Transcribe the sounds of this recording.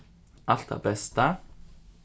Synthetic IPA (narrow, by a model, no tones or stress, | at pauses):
ʔal̥t̪æ̰bɛst̪ə